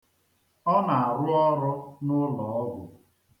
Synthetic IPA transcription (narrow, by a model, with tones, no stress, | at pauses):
ɔ˦na˨a˨ɾʊ˦ɔ˦ɾɔ˦nʊ˦lɔ˨ɔ˦ɡʷʊ˨